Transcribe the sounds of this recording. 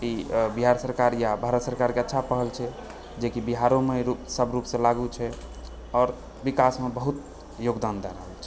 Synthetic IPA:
ibiɦaɾsəɾkaɾjabʱaɾət̪səɾkaɾkeətːʃʰapəɦəlt͡ʃʰɛ | d͡ʒekibiɦaɾomeɾupsəbɾupsẽlaɡut͡ʃʰɛ | ɔːɾ | bikasmebəɦut̪̚ | joɡd̪and̪ɛɾə̰ɦəlt͡ʃʰɛ̥

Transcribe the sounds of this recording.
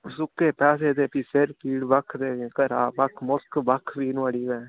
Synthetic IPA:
sʊkeːpɛːs̬eːt̪eːpipeɾpiːɽbəkʰt̪eːĩkəɾaːbakʰmʊskbəkʰʋiːnəɽiːʋɛ̃ː

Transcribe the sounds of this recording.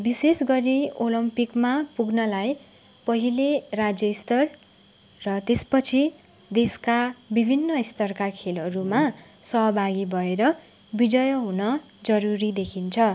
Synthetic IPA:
bisesɡʌɾiolʌmpikmapuɡnʌlaj | pʌɦilerad͡zjʌist̪ʌr | rʌt̪espʌt͡sʰi | d̪eskabibʱinːʌist̪ʌrkakʰelʌɾuma | sʌɦʌbʱaɡibʱʌeɾʌ | bid͡zʌjʌɦunʌ | d͡zʌɾuɾid̪ekʰint͡sʰʌ

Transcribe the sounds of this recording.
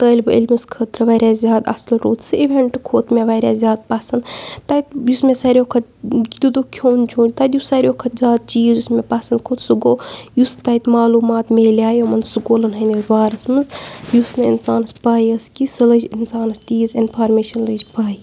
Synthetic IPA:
t̪əːlʲbɨʔḭlʲmɨskʰəːt̪ɾɐʋɐɾʲaːzʲjaːd̪ɐ̰slɾoːt̪sɨiʋʲeɳʈɨkʰoːt̪mʲeʋɐɾʲaːzʲjaːd̪̚pɐsɐnd̪t̪ɐt̪jusmesɐɾʲoːkʰɐd͡ʒid̪ud̪ukʲʰoːnt͡ʃʰõːnʲt̪ɐd̪jusɐɾʲoːkʰɐt̪zʲaːd̪̚t͡ʃiːzjusmepɐsɐnd̪kʰot̪suɡoːjust̪ɐjt̪maːluːmaːt̪meːlʲaːjomɐnsuɡoːlɐnɦɐnizʋaːɾɐsmɨzjusnɨḭnsaːnɐspaːjəskisɨləd͡ʒinsaːnɐst̪iːzɪnfʰaːɾmeːʃɐnləːd͡ʒpaːi

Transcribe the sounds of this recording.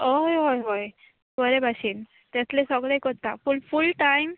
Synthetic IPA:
ɦojɦojɦoj | bəɾebʱaɕiːn | t̪at͡slesɔɡɭejkəɾt̪afulfulʈajm

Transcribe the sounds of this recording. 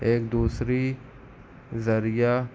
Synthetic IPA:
eːk̚d̪uːsɾi | zəɾɪjaː

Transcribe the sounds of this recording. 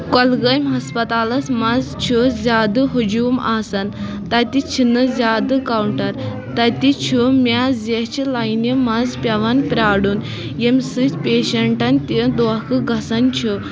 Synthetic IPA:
kɔlɡəjmɦɐspɐt̪aːlɐsmɐzt͡ʃʰuzʲjaːd̪ɨɦud͡ʑuːmaːsɐn | t̪ɐt̪it͡ʃʰinɨzʲaːd̪ɨkawɳʈɐɾ | t̪ɐt̪it͡ʃʰumʲazet͡ɕʰilajnimɐzpʲɐʋanpɾʲaːɽun | jemʲsɨt͡ʃpʲeːɕɐɳʈɐnt̪id̪oakɨɡɐsɐnt͡ʃʰu

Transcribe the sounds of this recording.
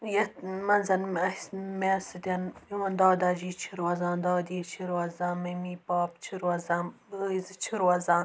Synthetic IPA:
jɐt̪mɐnzɐnɐsmesɨd̪ʲɐniwɐnd̪ɑːd̪aːd͡ʒiːt͡ʃʰiɾwɐzãːnd̪ɑːd̪iːt͡ʃʰiɾwɐzãːmɐmiːpɑːpt͡ʃʰiɾwɐzãː | əizɨt͡ʃʰiɾwɐzãː

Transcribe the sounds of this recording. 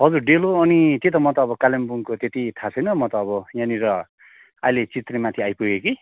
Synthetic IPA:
ɦʌd͡zurɖeloʌnit̪et̪̬ʌmʌt̪ʌːbʌkalembuŋkot̪et̪it̪ʰat͡sʰʌjnʌmʌt̪ʌːbʌjãniɾʌ | ajlet͡sit̪remat̪ʰiajpuɡeki

